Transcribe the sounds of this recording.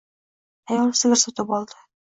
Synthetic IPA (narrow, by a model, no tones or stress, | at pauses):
æjɒlˠsɘ̆ɡʲɘɾsɒt̪ɤpɒlˠd̪ɤ